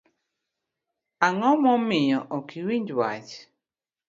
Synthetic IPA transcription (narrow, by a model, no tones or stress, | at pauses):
aŋɔmɔmɪjɔʔɔkiwiɲd͡ʒwat͡ʃ